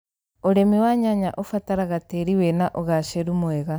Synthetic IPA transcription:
oɾemiwaɲaɲaʔofataɾaɣateɾiwenaʔoɣaʃeɾumoɛɣa

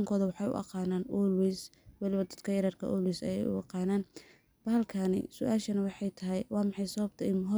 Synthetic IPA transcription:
ŋkʰɔːðɐwɑħɑjʊ̰ʔɑ̰qɑːnaːnulwiswɐlɪβɐd̪ɐ̥d̪kʰɐjɪɾɐrkʰɐ̰ʔɔlwisɐ̰jɛjʊ̰ɑ̰qɑːnaːn | b̥ɐhɐlkʰɐnɪ̰sʊʔaːʃɐnɐwɑħɑjt̪ʰɐɦɛjwɑːmɑħɑjsɐβɐb̚t̪ʰɐɪmɦɔ

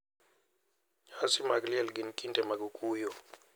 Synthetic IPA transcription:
hasimakʼliɛlɡinkʼintʼɛmak̬ʼukʼuːjɔ

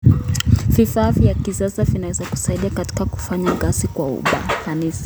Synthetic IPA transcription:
vifaːvjakisasavinawɛzaku̥saiɗiakati̥kaku̥faɲaɡasikwaṵɓa̰θanisḁ

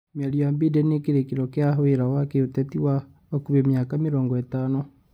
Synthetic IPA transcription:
maɾijambidɛnekeɾekeɾɔkeaɦoeɾawakeotɛtiwa | ɔkuβemjakameɾɔːŋɡɔɛtaːno

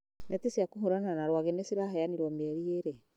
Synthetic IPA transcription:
nɛtesiakuɦoɾananaɾwaɣɛnesiɾaɦɛjaniɾwɔmɛɾieɾɛ

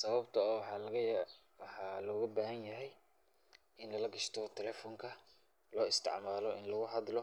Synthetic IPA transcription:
sɐβɐbt̪ʰɐɔːwħɑlɐɣɐ | wɑħɑːlɔːɣɐbaːɦɐnjɐɦɛj | ʔɪnlɐlɐɡɐʃt̪ʰɔt̪ʰɛlɛːfɔŋkʰɐ | lɔːɪst̪ʰɪ̰ʕmaːlɔʔɪ̰nlɐɣʊɦɑd̪lɔ

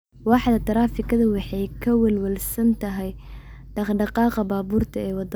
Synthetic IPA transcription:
wɑħd̪ɐt̪ʰɐɾaːfɪkʰɐðɐwɑħɑjkʰɐwɛlwɛlsɐnt̪ʰɐɦɛj | ɖ̥ɑχɖɑqɑːqɑbaːβuːrt̪ʰɐɛːwɑd̪

